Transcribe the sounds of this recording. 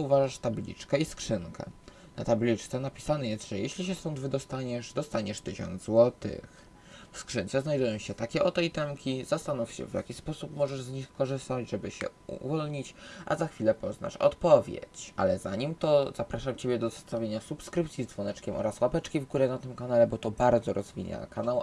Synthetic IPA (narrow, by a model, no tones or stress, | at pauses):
uvaʐaʂt̪ablʲḭt͡ʂkɛiskʂɘŋkɛ̰ | na̰t̪ablʲit͡ʂt̪sɛnapʲi̥sanɛjɛst̪ʐ̥ɛjɛɕlʲiɕɛst̪ɔnd̪vɘd̪ɔst̪aɲɛʂd̪ɔst̪aɲɛʂt̪ɘɕɔ̰nd̪zwɔt̪ɘ̰x | fskʂɘnt̪sɛznajd̪ujɔ̃w̃ɕɛt̪akʲɛʔɔt̪ɛjt̪ɛmkʲizast̪anufɕɛ̰vʲja̰kʲispɔsupmɔʐɛʐzɲixkɔʐɘst̪ad͡ʑʐɛbɘɕɛ̰ṵvɔlɲit͡ɕʔa̰zaxfʲilɛpɔzna̰ʂɔ̰t̪pɔvʲjḛt͡ɕʔa̰lɛzaɲimt̪ɔzapɾaʂamt͡ɕebʲjɛd̪ɔzɛst̪avʲjeɲasupskɾɘpt̪sʲizd̪zvɔnɛt͡ʂkʲɛmʔɔ̰ɾaswapɛt͡ʂkʲivɡuɾɛnat̪ɘmkanalɛbɔt̪ɔbaɾd̪zɔɾɔzvʲḭɲa̰kanaw